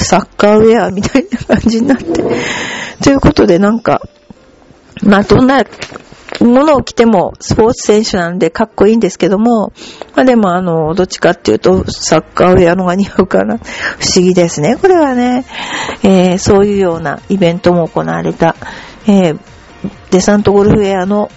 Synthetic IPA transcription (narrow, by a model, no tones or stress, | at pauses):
sakːaːɯ̟eamʲit̪ainakãɲ̟d͡ʑiɲ̟inat̪ːe̞t̪o̞jɯ̟ko̞t̪o̞d̪e̞nãŋka̰ | mad̪̥õ̞nːa | mo̞no̞ːkʲi̥t̪e̞mo̞sɨ̥po̞ːt͡sɨ̥sẽ̞ɰ̃ɕɨnãno̞d̪e̞kakːo̞ĩːnd̪esɨ̥ke̞d̪o̞mo̞mad̪e̞mo̞ano̞d̪o̞t͡ɕi̥kat̪ːe̞jɯ̟̰ːt̪o̞sakːaoɾɯeano̞ɡaɲ̟iaɯ̟ka̰naɸɯ̟̥ɕiɡʲid̪e̞sɨne̞ko̞ɾe̞βane̞ | eːso̞ːjɯ̟ːjo̞ːna̰ibẽ̞nt̪o̞mo̞ːko̞na̰ːɾe̞t̪a | eː | d̪̥e̞sãnt̪o̞ɡoɾɯ̟ɸɯ̟eano̞